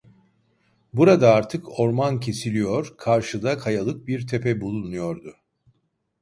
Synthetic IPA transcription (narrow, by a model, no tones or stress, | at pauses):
buɾad̪aaɾt̪ʰɯko̞ɾmancʰe̞silʲijo̞ɾkʰaɾʃɯd̪akʰajalˠɯk̚biɾt̪ʰepɛbulˠunujo̞ɾd̪ʊ